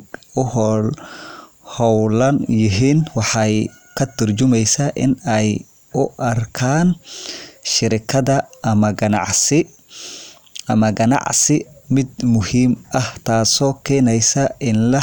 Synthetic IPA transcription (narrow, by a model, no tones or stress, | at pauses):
ʊhɔl | hɔwlɐnjɪɦiːnwɑħɑj | kʰɐt̪ʰɐrt͡ʃʊmɛjsɐʔɪ̰nɛj | ʊʔɐrkʰaːn | ʃɪɾɪkʰɐðɐʔɐmɐɡɐnɑ̰ʕsɪ | ɐmɐɡɐnɑ̰ʕsɪmɪd̪mʊhiːmʔɐht̪ʰaːsɔːkʰɛːnɛjsɐʔɪnlɐ